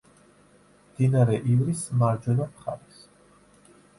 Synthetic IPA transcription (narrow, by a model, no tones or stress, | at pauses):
md̪̥inaɾɛʔivɾismaɾd͡ʒɔnapχa̰ɾis